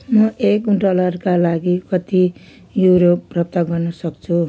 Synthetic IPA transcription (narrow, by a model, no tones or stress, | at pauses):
mʌʔekɖʌlʌrkalaɡikʌt̪i | juɾoprʌp̚t̪aɡʌrnʌsʌkt͡sʰu